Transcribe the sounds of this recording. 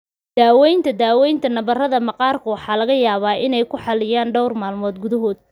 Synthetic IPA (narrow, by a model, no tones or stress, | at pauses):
d̪̥aːwɛjnt̪ʰɐd̪aːwɛjnt̪ʰɐnɐβɐrɐðɐmɑqɑːrkʰʊwɑħɑːlɐɣɐjaːβaːʔɪnɛjkʰʊħɑlɪjaːnɖɔwrmaːlmɔːd̪ɡʊðɐɦɔːd̪̚